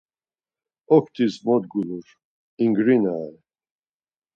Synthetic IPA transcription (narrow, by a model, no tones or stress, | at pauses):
ɔkʰt̪ʰizmɔd̪ɡuluɾ | iŋɡɾinaː